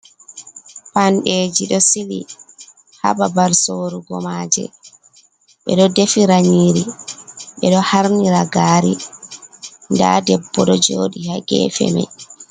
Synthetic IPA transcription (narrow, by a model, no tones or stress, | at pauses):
panɗeːd͡ʒiɗɔsili | ha̰ɓabaɾsoːɾuɡɔmad͡ʒɛ̰ | ɓɛ̰ɗɔdefiɾaɲiːɾiɓɛɗɔhaɾniɾaɡaːɾi | nda̰dɛbːɔɗɔd͡ʒoːɗihaɡɛ̰fɛ̰ma̰j